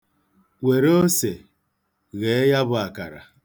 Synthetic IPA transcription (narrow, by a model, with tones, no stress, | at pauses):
wʷe˨ɾo˦se˨ | ɣe˨˦ja˦bʊ˦˨a˨ka˨ɾa̰˨